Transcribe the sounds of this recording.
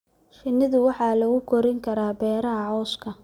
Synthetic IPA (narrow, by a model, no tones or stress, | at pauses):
ʃɪnːɪðʊwɑħɑːlɐɣʊkʰɔɾɪŋkʰɐɾaːbɛːɾɐɦɐʕɔːskʰɐ